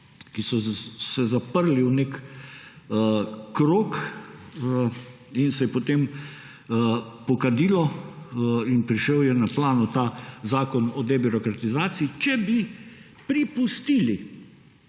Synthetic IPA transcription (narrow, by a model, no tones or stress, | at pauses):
kisɔsɛzapəɾliwnekː | kɾoːk | ə | insɛjɛpot̪em | pɔkad̪iːlɔ | inpɾiʃəwjɛnaplaːnɔt̪aːzaːkɔnɔd̪ɛbiɾɔkɾat̪izaːt̪siːt͡ʃɛbi | pɾipust̪iːli